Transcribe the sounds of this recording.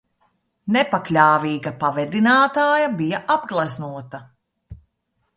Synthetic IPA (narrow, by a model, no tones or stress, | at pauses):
nɛpaklʲaːviːɡɐpavɛd̪inaːt̪aːjɐbijɐʔabɡlˠaznuɔt̪ɐ